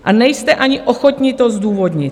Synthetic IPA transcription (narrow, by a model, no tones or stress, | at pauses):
ʔanɛjst̪ɛʔaɲɪʔoxot̪ɲɪt̪ozd̪uːvod̪ɲɪt̪